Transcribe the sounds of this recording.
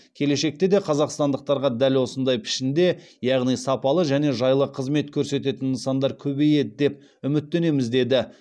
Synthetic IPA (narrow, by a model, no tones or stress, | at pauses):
kʲʰe̞le̞ʃe̞k̚t̪e̞d̪e̞qʰɑzɑqst̪ɑnd̪əq̚t̪ɑɾʁɑd̪ælwo̞sənd̪ɑjpʰɪ̥ʃɪnd̪e̞ | jɑʁnijsɑpɑlˠəʒæne̞ʒɑjlˠəqʰəzme̞t̪kʲʰɵɾse̞t̪e̞t̪ɪnːəsɑnd̪ɑɾkʲʰɵbe̞jed̪ɪd̪e̞p̚ | ʏmɪt̪ːe̞ne̞mɪzd̪e̞d̪ɪ